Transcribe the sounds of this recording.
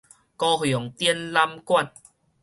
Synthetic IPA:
kɔ˧hjɔ˨˩˦ŋt̪i˧ə˦nla˧mkwa˥˧˨n

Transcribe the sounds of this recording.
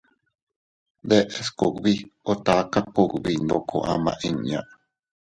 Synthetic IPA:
d̪e˦ʔe˨sko˨kβi˦o˦t̪a˨ka˦ku˧˨kbi˧nd̪o˧kʰo̰˨ʔã̰˧mã̰˨ʔĩ˦˧ɲɲã̰˨ʔ

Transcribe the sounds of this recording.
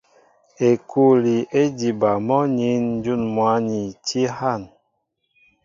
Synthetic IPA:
e˨kʰu˦li˨ʔe˦di˨ba˨mɔ˦ɲi˨˦nn̩˦d͡ʒu˦˨nmwa˨˦ni˨ti˦ha˦˨n

